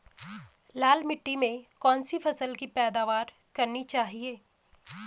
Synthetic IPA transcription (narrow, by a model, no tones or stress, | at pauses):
laːlmɪʈːimẽkɔːnsifʰɐsəlkipɛːd̪aːʋaːɾ | kɐɾnit͡ʃaːɦieː